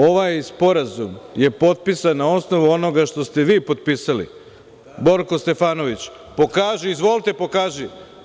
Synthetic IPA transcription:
o̞ʋajspo̞ɾazumje̞po̞t̪̚pisannao̞sno̞ʋuo̞no̞ɡaʃt̪o̞st̪e̞ʋiːpo̞t̪̚piːsalḭ | bo̞ɾko̞st̪e̞faːno̞ʋit͡ɕ | po̞kaːʒiizʋo̞lit̪epo̞kaːʒi

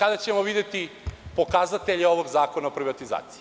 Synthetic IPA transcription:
kad̪at͡ɕemo̞ʋid̪et̪ipo̞kazat̪eʎeo̞ʋo̞ɡzaːko̞naopɾiʋat̪iza̰ːt̪si̥i

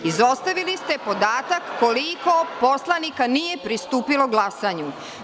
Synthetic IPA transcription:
izo̞st̪aʋilist̪e̞po̞d̪aːt̪akːo̞likopo̞slˠanikanije̞pɾist̪uːpilo̞ɡlasaɲu

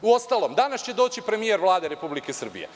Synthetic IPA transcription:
uo̞st̪alˠo̞md̪anast͡ɕe̞d̪oːt͡ɕipɾe̞mije̞ɾʋlˠaːd̪eɾe̞publikesr̩bḭje

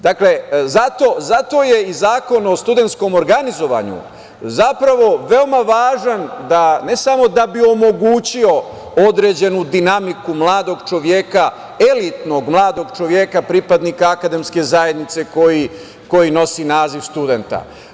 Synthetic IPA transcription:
d̪akle̞zat̪o̞zat̪o̞jeizaːko̞naost̪ud̪e̞nt̪sko̞mo̞ɾɡanizo̞ʋa̰ːɲṵ | zapɾaʋo̞ʋe̞o̞maʋaːʒand̪ane̞samo̞d̪abio̞mo̞ɡuːt͡ɕio̞ | od̪ɾe̞ːd͡ʑe̞nud̪inamikumlˠaːd̪o̞ɡt͡ʃo̞ʋje̞ka | e̞lit̪no̞ɡmlˠaːd̪o̞ɡt͡ʃo̞ʋje̞kapɾipad̪nikaːkad̪e̞mske̞zaje̞d̪nit̪se̞ko̞ji | ko̞jino̞sinaːziʋst̪ud̪e̞nt̪a̰

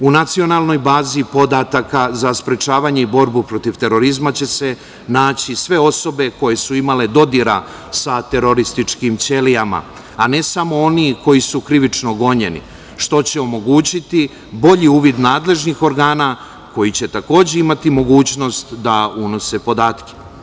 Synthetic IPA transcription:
unat̪sio̞nalˠno̞jbaːzipo̞d̪at̪akazaspɾe̞t͡ʃaːʋaɲe̞ibo̞ɾbupɾo̞t̪iʋt̪e̞ɾo̞ɾizmat͡ɕe̞se̞ | naːt͡ɕisʋe̞o̞so̞be̞ko̞je̞suimale̞d̪o̞d̪iɾa̰ | sat̪e̞ɾo̞ɾist̪it͡ʂkimt͡se̞lijama̰ | ane̞samo̞o̞niko̞jisukɾiʋit͡ʃnoɡo̞ɲe̞nḭ | ʃt̪o̞t͡ɕe̞o̞mo̞ɡuːt͡ɕit̪i | bo̞ʎiuːʋid̪naːd̪le̞ʒnixo̞ɾɡaːna | ko̞jit͡ɕe̞t̪ako̞ːd͡ʑe̞imat̪imo̞ɡuːt͡ɕno̞st̪d̪auno̞se̞po̞d̪aːt̪ke̥

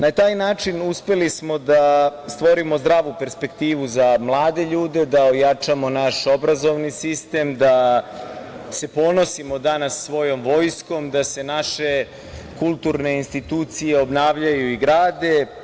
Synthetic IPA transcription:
nat̪aːjnaːt͡ʂinuspe̞lismo̞d̪ast̪ʋo̞ɾimo̞zd̪ɾaːʋupe̞ɾspe̞kt̪iːʋuzamlˠaːd̪e̞ʎuːd̪e̞d̪aojat͡ʃamo̞naʃo̞bɾazo̞ʋnisist̪e̞md̪a | se̞po̞no̞simo̞d̪anasːʋo̞jo̞mʋo̞ːjsko̞md̪ase̞naʃe̞ | kulˠt̪uɾne̞inst̪it̪uːt̪sijeo̞bnaːʋʎajuiɡɾaːd̪e̞

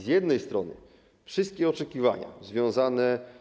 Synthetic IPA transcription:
zʲjɛd̪nɛjst̪ɾɔnɘ̰ | fʂɘst̪̚kʲɛɔt͡ʂɛkʲiva̰ɲa̰zvʲjɔ̃w̃zanɛ

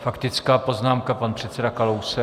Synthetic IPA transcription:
fakt̪ɪt͡skaːpo̞znaːmkapanpr̝̥ɛt̪t͡sɛdakalowsɛ

